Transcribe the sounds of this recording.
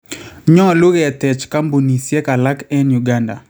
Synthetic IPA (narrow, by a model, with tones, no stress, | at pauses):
ɲɔ˦lo˦ɣɛ˨tɛ˨t͡ʃka˦mbo˨ni˨sjɛ˦ka˨la˦kɛ˦nju˨ɡa˦nda̰˨